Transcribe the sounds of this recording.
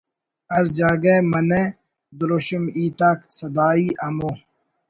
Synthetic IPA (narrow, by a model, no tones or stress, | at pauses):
ɐɾd͡ʑaːɡeːmɐne | d̪uɾoɕumiːt̪aːksɐd̪aːiːʔɐmoː